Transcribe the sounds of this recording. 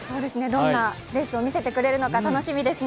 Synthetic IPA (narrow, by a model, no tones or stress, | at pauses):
so̞ːd̪e̞sɨne̞d̪õ̞nːa | ɾe̞sɨo̞mʲise̞t̪e̞kɯ̟ɾe̞ɾɯ̟no̞kat̪ano̞ɕimʲid̪e̞sɨn